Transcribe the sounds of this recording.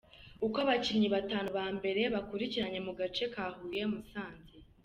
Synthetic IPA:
ukaβacimɲiβataːnuβaːmbe̞ɾe̞βakuɾiciɾaɲe̞muɡat͡ʃe̞kaːhuje̞musaːnze

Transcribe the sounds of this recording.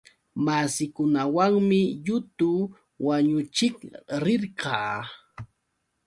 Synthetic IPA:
masɪkʊnawaŋmɪʎʊt̪ʊ | waɲʊt͡ʃɪkɾɪɾqɑː

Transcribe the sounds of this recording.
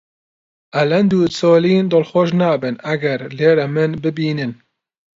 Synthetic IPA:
ʔɐlɐnd̪uːt͡soːliːnd̪oːlxoʃnaːbɨnɐɡɛɾleːɾɛmɨnbɨbiːnɨn

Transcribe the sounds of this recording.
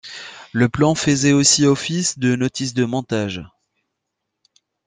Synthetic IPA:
ləplɑ̃fəzɛosiɔfisd̪ənɔt̪isd̪əmɔ̃t̪aʒ

